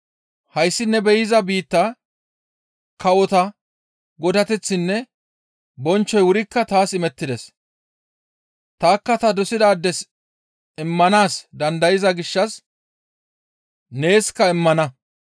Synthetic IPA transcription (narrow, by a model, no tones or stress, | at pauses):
hɐjsːɪnːɛbɛjɪzɐbiːt̪ːɐ | kɐwɔt̪ɐ | ɡɔd̪ɐt̪ɛt͡sːɪnːɛ | bɔnt͡ʃːɔjwʊɾɪkːɐt̪aːsɪmɛt̪ːɪd̪ɛs | t̪aːkːɐt̪ɐd̪ɔsɪd̪aːd̪ːɛs | ɪmːɐnaːsd̪ɐnd̪ɐjɪzɐɡɪʃːɐs | ne̞ːskːɐɪmːɐnɐ